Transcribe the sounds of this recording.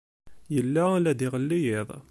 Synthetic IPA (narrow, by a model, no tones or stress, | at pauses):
jəlːælæd̪iʁəlːijɪðˤ